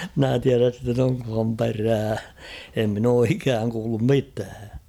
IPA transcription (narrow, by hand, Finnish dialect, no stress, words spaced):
mɪ̆næ tiæræs sitːen oŋkhɑm peræː em min oː ikæːŋ kuːlːum mitæː